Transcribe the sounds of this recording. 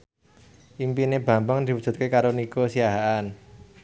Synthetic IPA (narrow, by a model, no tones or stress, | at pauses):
ʔimpineb̥ä̤mbaŋd̪̥i̤wud̥ʒ̥ṳt̪̚kekaɾonikosiaɦaan